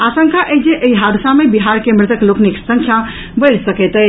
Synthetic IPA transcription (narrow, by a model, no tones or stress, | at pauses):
asə̃ŋkʰaʔed͡ʒeʔəjɦad̪ʱusamebiɦaɾkemɾɪt̪əklokniksəŋkʰja | bəjɾsəkɛt̪ɛ